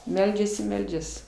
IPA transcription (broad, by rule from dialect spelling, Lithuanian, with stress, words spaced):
ˈmʲɛlʲd͡ʒʲɛs ɪ ˈmʲɛlʲd͡ʒʲɛs